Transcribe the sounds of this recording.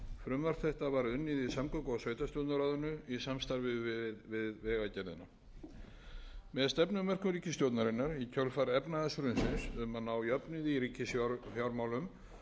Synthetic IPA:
fɾʏmvaɾ̥t̪θɛht̪avaɾʏnːɪðisamkɔwkɔsvœːɥt̪ast̪jowt̪naɾaðʏnʏisamst̪aɾvɪðvɪðvɪðvɛːɣacɛɾðɪ̰na | mɛðst̪ɛpnʏmɛr̥kʏɾiːcɪst̪jowt̪naɾɪnːaɾicʰœlfaɾɛpnaðɛsɾʏnsɪnsʏmanːawjœpnɪðiɾiːcʰːɪsfjawɾmawlʏm

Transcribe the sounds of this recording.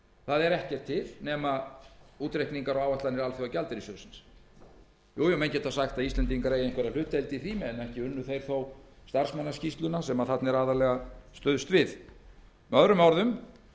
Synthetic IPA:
θaðɛɾɛhcɛr̥t̪ʰːɪlnɛːmauːt̪ɾehkniŋkaɾawaːwaht̪lanːɪɾalθjowawcalt̪ɪɾisjœwsɪns | juːjɛmejncːɛt̪θasaxt̪aðist̪ɛnt̪iŋkaɾeːjejŋkvɛɾal̥ʏht̪ɛlt̪ɪiθimɪɛnɛhcɪʏnːʏθejɾ̥θowst̪ar̥smanːascist̪lʏnasɛmaðθat̪nɛɾaːðaɾlɛɣast̪œðst̪vɪð | mɛœðɾʏmawɾðʏm

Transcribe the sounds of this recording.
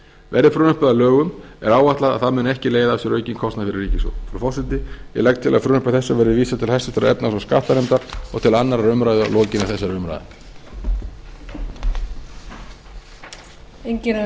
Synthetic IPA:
vɛɾðɪfɾʏːnʏhpʏðalœːɣʏm | ɛɾaːwvaht̪laða̰ðθaðmɛnɛhcɪleːjðaɛsʏɾœːɥcɪnkʰɔst̪nafɪɾɪriːcɪsɔ̰wfɾfɔsɪnt̪ːɪjɛ̰lɛk̚t̪ʰɪla̰fɾʏːnʏhpaɾθɛsːavɛːɾɪviːsat̪ʰɪlhɛsɪst̪aɾaɛpnasɔska̰ht̪anejmt̪aɾ̥ɔ̰ɣt̪ʰɪlanːaɾaɾʏmɾaːjðʏlɔːcɪnaɾθɛsaɾʏmɾa̰jða̰ | eɲc

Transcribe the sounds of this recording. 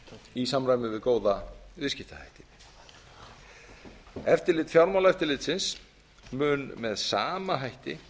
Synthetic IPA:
isamɾajmɪvɪðkoːwðaʏscɪht̪aha̰jht̪ɪn | ɛft̪ɪɾlɪːt̪fjawɾmawlɛft̪ɪɾlɪːt̪sɪns | mʏːnmɛðsaːmaɦajht̪ɪ̰

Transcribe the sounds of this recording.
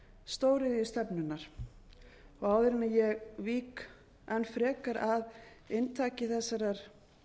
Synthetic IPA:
st̪oːwɾɪðjʏst̪ɛpnʏnːaɾ̥ | ɔɣaːwðɪɾɪnajɛɣviːk | ɛnfɾɛːkaɾʔað | ɪnt̪ʰaːcɪθɛsːaɾaɾ̥

